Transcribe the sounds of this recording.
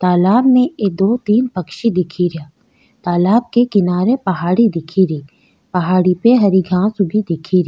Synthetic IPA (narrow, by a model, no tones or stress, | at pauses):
t̪aːlaːbneed̪oːt̪iːnpɐkʃid̪ɪkʰiɾaː | t̪aːlaːb̚kekɪnaːɾepɐɦaːɽid̪ɪkʰiɾiː | pɐɦaːɽipeɦɐɾiɡʱãːsʊbʱid̪ɪkʰiɾ